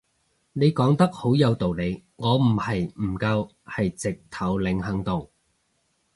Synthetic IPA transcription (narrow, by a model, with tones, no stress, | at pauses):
ne˨˧jkɔː˨˥ŋt̪ɐ˥k̚ho˨˥wjɐ˨˧wt̪o˨wle˨˧jŋɔː˨˧m̩˨˩hɐ˨jm̩˨˩kɐ˧w | hɐ˨jt͡sɪ˨k̚t̪ʰɐ˨˥wlɪ˨˧˥ŋhɐ˨˥ŋt̪o˨˩w